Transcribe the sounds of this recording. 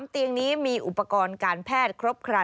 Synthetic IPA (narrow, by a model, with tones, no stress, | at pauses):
mt̪i˧əŋniː˦˥miː˧ʔu˨˩pːa˧kɔː˧nkaː˧npʰɛː˥˩t̪̚kʰɾo˦˥p̚kʰɾa˧